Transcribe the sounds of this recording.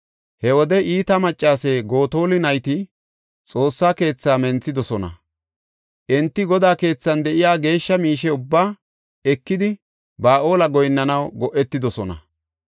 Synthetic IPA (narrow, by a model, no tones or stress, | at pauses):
hɛwɔd̪ɛʔiːt̪ɐmɐt͡ʃʼːaːseːɡo̞ːt̪o̞ːlɪnɐjt̪ɪ | t͡sʼo̞ːsːaːke̞ːt͡sːaːmɛnt͡sːɪd̪ɔsɔnɐ̰ | ʔɛnt̪ːɪɡɔd̪aːke̞ːt͡sːɐnd̪ɛʔɪjaːɡe̞ːʃːɐmiːʃɛʊbːaː | ɛkːɪd̪ɪ | baːʔo̞ːlɐɡɔjnːɐnɐwɡɔʔɛt̪ːɪd̪ɔsɔnɐ̰